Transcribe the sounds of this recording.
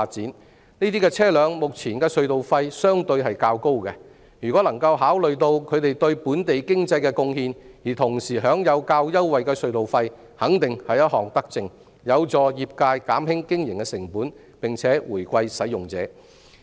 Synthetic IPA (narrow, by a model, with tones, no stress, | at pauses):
aː˧t̚t͡siː˨˥n | niː˥t̪iː˥kɛː˧t͡sʰɛː˥lœː˨˧ŋmʊ˨k̚t͡sʰiː˨˩nkɛː˧sɵ˧ɥt̪o˨wfɐ˧jsœː˥ŋt̪ɵ˧ɥhɐ˨jkaː˧wko˥wkɛ˧ | jyː˨˩kɔ˨˥lɐ˨˩ŋkɐ˧wɦaː˨˥wlɵ˨ɥt̪o˧wkʰɵ˨˧ɥt̪e˨jt̪ɵ˧ɥpuː˨˥nt̪e˨jkɪ˥ŋt͡sɐ˧jkɛː˧kʊ˧ŋhiː˧njiː˨˩t̪ʰʊ˨˩ŋsiː˨˩ɦœː˨˥ŋjɐ˨˧wkaː˧wjɐ˥wwɐ˨jkɛː˧sɵ˧ɥt̪o˨wfɐ˧j | hɐ˨˥ŋt̪ɪ˨ŋhɐ˨jɐ˥t̚hɔː˨ŋt̪ɐ˥k̚t͡sɪ˧ŋ | jɐ˨˧wt͡sɔː˨jiː˨p̚kaː˧jkaː˨˥mhɪ˥ŋkɪ˥ŋjɪ˨˩ŋkɛ˧sɪ˨˩ŋpuː˨˥n | pɪ˨˩ŋt͡sʰɛː˨˥wuː˨˩jkʷɐ˧jsɐ˨˥jːʊ˨ŋt͡sɛ̰ː˨˥